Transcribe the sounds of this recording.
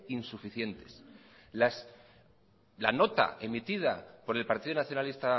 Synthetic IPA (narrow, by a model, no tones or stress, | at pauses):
insufiθje̞nt̪e̞s | las | la̰no̞t̪a̰ʔemit̪ið̞apo̞ɾe̞lpaɾt̪iðonaθjo̞nalist̪a